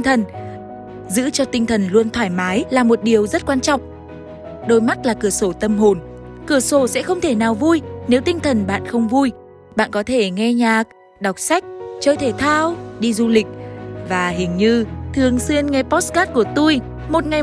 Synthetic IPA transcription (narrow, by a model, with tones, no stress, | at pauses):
ŋt̪ʰə˨˩n | zɨ̰˧˥t͡ɕɔ˧t̪ï˧ŋ̟t̪ʰə˨˩nlu˧ənt̪ʰwaː˧˩jmaː˨˦jlaː˨˩mo˨˩t̚ɗi˨˩əwzə˦˥t̚kwaː˧nt͡ɕɔ̰˧˨wŋ͡m | ɗo˧jma˦˥t̚laː˨˩kɨ˧˩əso˧˩t̪ə˧mɦo˨˩n | kɨ˧˩əso˧˩sɛ̰˧˥xə˧wŋ͡mt̪ʰe˧˩naː˨˩wvu˧jne˨˦wt̪ï˧ŋ̟t̪ʰə˨˩nɓa̰ː˧˨nxə˧wŋ͡mvu˧j | ɓa̰ː˧˨nkɔ˨˦t̪ʰe˧˩ŋɛ˧ɲaː˨˩k̚ | ɗa˨˩wk͡p̚sa˦˥jk̟̚t͡ɕəː˧jt̪ʰe˧˩t̪ʰaː˧wɗi˧zu˧lï˨˩k̟̚vaː˨˩ɦï˨˩ŋ̟ɲɨ˧t̪ʰɨ˨˩əŋsi˧ənŋɛ˧pɔ˦˥t̚skaː˦˥t̚ku˧˩ət̪u˧j | mo˨˩t̚ŋa˨˩j